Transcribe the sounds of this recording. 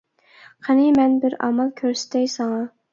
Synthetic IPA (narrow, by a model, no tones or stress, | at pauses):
qʰənɨmɛnbɪɾɑ̰mɑlˠkʲʰøɾsɪ̥t̪ʰɛjsɑŋɑ